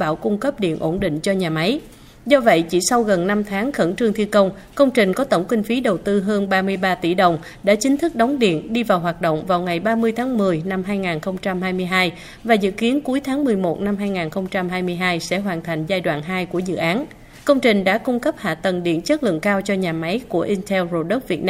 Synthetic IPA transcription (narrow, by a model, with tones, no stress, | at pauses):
ɓaː˧˩wkʊ˧ŋ͡mkə˦˥p̚ɗḭ˧˨ənʔo˧˩nɗḭ̈˧˨ŋ̟t͡ɕɔ˧ɲaː˨˩ma˨˦j | zɔ˧və̰˧˨jt͡ɕi˧˩sa˧wɣə˨˩nːa˧mt̪ʰaː˨˦ŋxə˧˩nt͡ɕɨ˧ŋt̪ʰi˧kə˧wŋ͡m | kə˧wŋ͡mt͡ɕï˨˩ŋ̟kɔ˨˦t̪ə˧˩wŋ͡mkï˧ŋ̟fi˨˦ɗə˨˩wt̪ɨ˧ɦəː˧nɓaː˧mɨ˧əjɓaː˧t̪i˧˩ɗə˨˩wŋ͡m | ɗa̰ː˧˥t͡ɕï˨˦ŋ̟t̪ʰɨ˦˥k̚ɗɔ˨˦wŋ͡mɗḭ˧˨ənɗi˧vaː˨˩wɦwaː˨˩t̚ɗo̰˧˨wŋ͡mvaː˨˩wŋa˨˩jɓaː˧mɨ˧əjt̪ʰaː˨˦ŋmɨ˨˩əjna˧mɦaː˧jŋaː˨˩nxə˧wŋ͡mt͡ɕa˧mɦaː˧jmɨ˧əjɦaː˧j | vaː˨˩zɨ̰˧˨ki˨˦ənku˨˦əjt̪ʰaː˨˦ŋmɨ˨˩əjmo˨˩t̚na˧mhaː˧jŋaː˨˩nxə˧wŋ͡mt͡ɕa˧mɦaː˧jmɨ˧əjɦaː˧jsɛ̰˧˥ɦwaː˨˩nt̪ʰa˨˩jŋ̟zaː˧jɗwa̰ː˧˨nɦaː˧jku˧˩əzɨ̰˧˨ʔaː˨˦n | kə˧wŋ͡mt͡ɕï˨˩ŋ̟ɗa̰ː˧˥kʊ˧ŋ͡mkə˦˥p̚ha̰ː˧˨t̪ə˨˩nɗḭ˧˩ənt͡ɕə˦˥t̚lɨ̰˧˨əŋkaː˧wt͡ɕɔ˧ɲaː˨˩ma˨˦jku˧˩əʔi˧nt̪ʰɛ˧wzo˧ɗə˦˥t̚vi˨˩t̚naː˧